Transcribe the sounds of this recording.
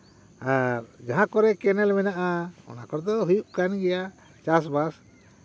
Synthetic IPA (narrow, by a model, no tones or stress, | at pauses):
aɾd͡ʒaɦãkɔɾɛkɛnɛlmɛnaʔaɔ̰nakɔɾd̪ɔɦujuʔkanɡɛja | t͡ʃas̬bas